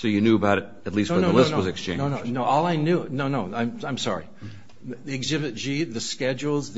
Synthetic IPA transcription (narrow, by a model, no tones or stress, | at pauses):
soʊjɨnjʉəbaʊɾɨɾ̚ | ɨtˡlisonoʊlɪʊnowʌzɨkst͡ʃʰẽɪ̃nʊnoʊnoʊɔlˠaɪnjʉnoʊnoʊãɪ̃mãɪ̃msɑ̰ɹḭ | ðiɨɡzɪbɨt̚d̥ʒ̥iðɨskɛd͡ʒl̩ˠzð